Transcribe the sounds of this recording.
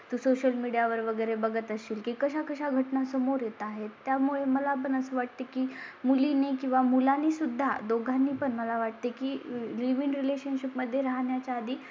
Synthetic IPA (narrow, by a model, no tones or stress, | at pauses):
t̪uːsoɕəlmiɽijaʋəɾʋəɡəjɾebəɡət̪əɕiːlkikəɕakəɕaɡʱəʈnasəmoɾjet̪aɦet̪ːjamuɭeməlapəɳəsəːʋaʈ̚t̪əkiːmuliːnikĩw̃ʋamulanisud̪ʱːa̰d̪oɡʱanːiːpəɳməlaʋaʈ̚t̪ekiːliʋinɾileɕənɕipməd̪ʱːjeɾaɦɳjat͡ɕaːd̪ʱiː